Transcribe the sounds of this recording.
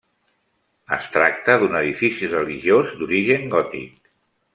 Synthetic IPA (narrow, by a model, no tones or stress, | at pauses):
ə̰st̪ɾak̚t̪əðunəðifisirəliʒiozd̪uɾiʒəŋɡɔt̪ḭk̚